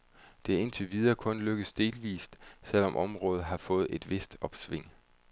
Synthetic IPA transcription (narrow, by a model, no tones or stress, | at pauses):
d̥e̝æe̝nt͡sʰe̝ʋið̞ˠɐkʰɔ̽nløɡ̥əsd̥e̝ːlʋḭːsd̥sel̰ɒ̽mʔɒ̽mʁɔ̽ːð̞̩ˠɦɑ̈fɔ̽ːð̩ˠe̝d̥ʋe̝sd̥ɒ̽b̥sʋe̝ŋ̰